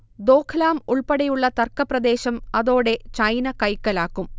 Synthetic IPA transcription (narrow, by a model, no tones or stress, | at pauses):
d̪o̞ːkʰɐlaːmuɭpɐɽɐjuɭːɐt̪ɐrkɐprɐd̪e̞ːɕɐmɐðo̞ːɽe̞t͡ɕɐjnɐkɐjkːɐlaːkːum